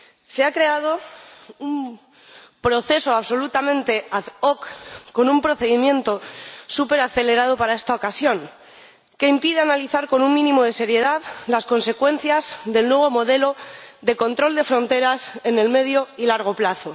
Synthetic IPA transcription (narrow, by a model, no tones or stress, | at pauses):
se̞akɾe̞að̞o̞um | pɾo̞θe̞so̞aβso̞lut̪amẽ̞nt̪e̞aðokːo̞numpɾo̞θe̞ðimjẽ̞nt̪o̞supe̞ɾaθe̞le̞ɾað̞o̞paɾae̞st̪ao̞kasjo̞ŋ | ke̞impiðeanaliθaɾko̞nuŋmĩnĩmo̞ð̞e̞se̞ɾje̞ðaðlasko̞nse̞kwe̞n̟θjazðe̞lnwe̞β̞o̞mo̞ðe̞lo̞ðe̞ko̞nt̪ɾo̞ld̪e̞fɾo̞nt̪e̞ɾase̞ne̞lme̞ð̞jo̞ilaɾɣ̞o̞plaθo̞